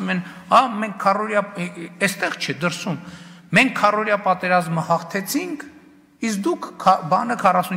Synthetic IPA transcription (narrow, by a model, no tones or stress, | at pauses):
mɛn | ɑmɛŋkʰːɑrɔɾjɑɛst̪ɛʁt͡ʃʰɛd̪əɾsumːɛŋkʰːɑrɔɾjɑpɑt̪ɛɾɑzməhɑχt̪ʰɛt͡sʰiŋkʰ | isk̚d̪ukʰbɑnəkʰɑrɑsun